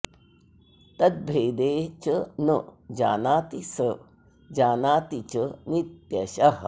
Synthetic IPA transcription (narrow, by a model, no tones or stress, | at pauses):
t̪ɐd̪̚bʱeːd̪eːt͡ʃənəd͡ʒa̰ːnaːt̪isə | d͡ʒaːnaːt̪it͡ʃənit̪jɐʃɐɦɐ